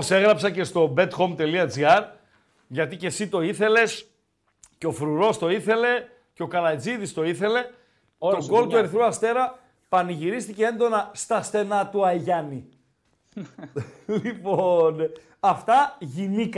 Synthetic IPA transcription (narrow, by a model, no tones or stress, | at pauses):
ose̞ɣɾɐpsɐce̞st̪o̞be̞t̪xo̞mt̪e̞liɐd͡ziɐɾ | ʝɐt̪ice̞sit̪o̞iθe̞le̞s | ceo̞fɾuɾo̞st̪o̞iθe̞le̞ | ceo̞kɐlɐd͡ziðist̪o̞iθe̞le̞ | o̞ŋɡo̞lt̪ue̞ɾiθɾuɐst̪e̞ɾɐ | pɐniʝiɾist̪icee̞nd̪o̞nɐst̪ɐst̪e̞nɐt̪uɐʝɐni | lipon | ɐft̪ɐʝinik